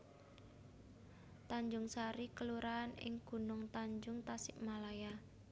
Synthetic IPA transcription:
t̪aɲd͡ʒʊŋsaɾikəluɾaːnɪ̰ŋɡ̥ṳnʊŋt̪aɲd͡ʒʊŋt̪asɪʔmalaja

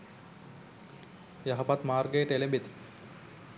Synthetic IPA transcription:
jaɦɐpat̪maːrɡəjəʈelembet̪

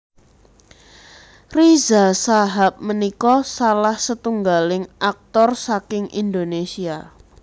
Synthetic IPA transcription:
rizasaɦap̚mənikɔsalahsət̪uŋɡalɪŋʔak̚t̪ɔrsakɪŋḭnd̪onesia

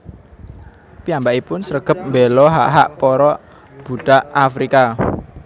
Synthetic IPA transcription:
piambaʔipʊnsəɾəɡ̥ə̤p̚mbelɔɦa̰ʔɦaʔpɔɾɔ | b̥uɖ̥a̤ʔafɾika

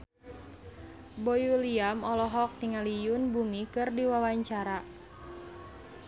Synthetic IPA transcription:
bojuliamɔlɔɦɔk̚t̪iŋalijunbumikɨrdiwawaɲt͡ʃaɾa

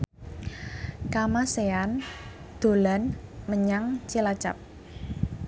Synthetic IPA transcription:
kamasean | d̪̥o̤lanməɲaŋt͡ʃilat͡ʃa̰p̚

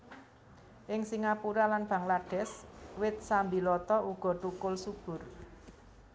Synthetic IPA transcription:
ʔɪŋsiŋapuɾalanb̥ä̤ŋlaɖ̥ɛ̤swɪt̪̚sambilɔt̪ɔuɡ̥ɔ̤ʈ̪ukʊlsub̥ʊ̤r

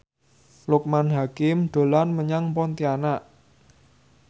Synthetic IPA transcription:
lʊk̚manɦakɪmɖ̪̥o̤lanməɲaŋpɔnt̪ianaʔ

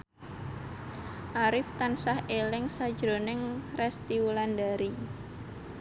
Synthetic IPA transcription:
ʔaɾɪft̪ansahʔelɪŋsad̥ʒ̥ɾonɪŋrɛst̪iwulandaɾi

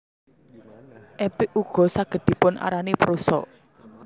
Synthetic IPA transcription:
ʔɛpɪʔuɡ̥ɔ̤saɡ̥ə̤d̪̥i̤pʊnʔa̰ɾanepɾusɔ̰

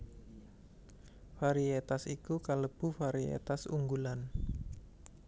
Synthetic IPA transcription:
faɾiet̪asikukaləb̥ṳfaɾiḛt̪asṵŋɡulan

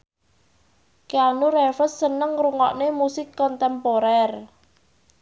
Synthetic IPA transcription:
keanuɾɛfəsːənəŋruŋɔ̰ʔnemusɪkːɔnt̪ɛmpoɾɛr

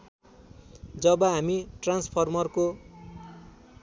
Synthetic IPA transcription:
d͡zʌbʌɦamiʈranspʰʌrmʌrko

